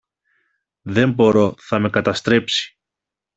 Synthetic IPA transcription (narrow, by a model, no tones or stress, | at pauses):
ðe̞mbo̞ɾo̞θɐme̞kɐt̪ɐst̪ɾe̞psi̥